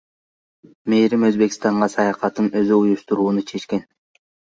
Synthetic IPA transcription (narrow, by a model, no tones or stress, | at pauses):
mejɾimø̞zbe̞ki̥st̪ɑɴɢɑsɑjɑqɑt̪ɯnø̞zyujuʃt̪uɾuːnut͡ʃʰe̞t͡ʃke̞n